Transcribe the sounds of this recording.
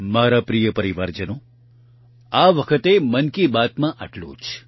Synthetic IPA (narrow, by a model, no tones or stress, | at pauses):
maɾapɾijəpəɾiʋaɾd͡ʒəno | aʋəkʰət̪emənkibat̪mãʔəʈlṵ̃d͡ʒ